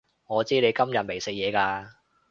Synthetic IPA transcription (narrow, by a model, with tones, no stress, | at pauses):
ŋɔː˨˧t͡siː˥ne˨˧jkɐ˥mjɐ˨t̚me˨˩jsɪ˨k̚jɛː˨˧kaː˧